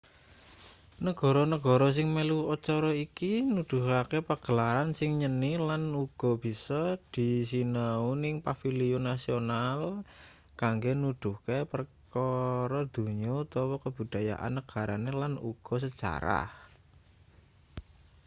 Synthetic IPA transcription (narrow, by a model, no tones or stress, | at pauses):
nəɡ̥ɔ̤ɾɔnəɡ̥ɔ̤ɾɔs̬ɪŋmeluɔt͡ʃɔɾɔikinud̪̥ṳɦakepərɡ̥ə̤laɾansɪŋɲənilanuɡ̥ɔ̤b̥i̤sɔd̪̥i̤sinəunɪŋpafiliunasional | kaŋɡenud̪̥ṳkepərkɔɾɔd̪̥ṳɲɔt̪ɔwɔkəb̥ṳd̪̥a̤ja̰ʔa̰nːəɡ̥a̤ɾanelanṵɡ̥ɔ̤s̬ə̥d͡ʒ̥a̰ɾa̰h